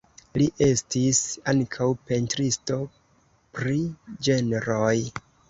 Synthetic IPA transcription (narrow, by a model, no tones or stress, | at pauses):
liʔe̞stisaŋkʰawpe̞ntɾisto̞ | pɾid͡ʒe̞neɾoj